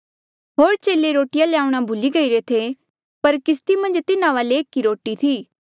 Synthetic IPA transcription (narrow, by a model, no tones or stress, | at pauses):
ɦoːɾt͡ʃeːleɾoːʈɪjaleaːũɽ̃abʱʊliɡɐiɾet̪ʰe | pɐɾkɪst̪imɐ̃nd͡ʒt̪ɪnãʋaːleːkːiɾoːʈit̪ʰiː